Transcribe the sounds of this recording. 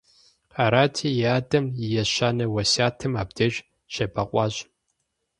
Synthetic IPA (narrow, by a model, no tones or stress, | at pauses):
aːɾaːtʰiːjaːdɐmjɛɕaːnɐwɐsaːtʰɨmaːbdɐʒ | ɕɐbɐqʷʼɑːɕʼ